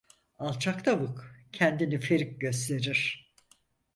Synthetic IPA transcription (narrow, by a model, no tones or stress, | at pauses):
alˠt͡ʃʰakt̪ʰavukcʰɛnd̪inifeɾic̚ɟøst̪ʰe̞ɾiɾ̥